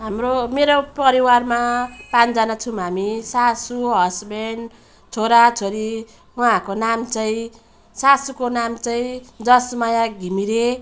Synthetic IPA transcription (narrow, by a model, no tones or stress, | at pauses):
ɦamromeɾopʌɾiwarmapãnd͡zanat͡sʰũɦamisasuɦʌsben | t͡sʰoɾat͡sʰoɾi | wʌãkonamt͡sʌĩ | sasukonamt͡sʌĩd̪ʌsmajaɡʱimiɾe